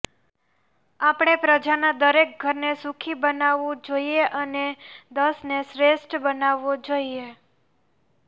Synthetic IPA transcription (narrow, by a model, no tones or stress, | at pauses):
apɽ̃epɾəd͡ʒanad̪əɾek̚ɡʱəɾnesũkʰibənaʋũd͡ʒoieʔəned̪əsnesɾeʃʈbənaʋːod͡ʒoie